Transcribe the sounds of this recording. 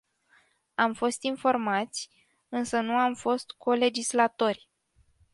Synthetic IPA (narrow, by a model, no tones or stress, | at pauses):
amfo̞st̪info̞rmat̪sʲ | ɨnsənuamfo̞st̪kʰo̞le̞d͡ʒislat̪o̞rʲ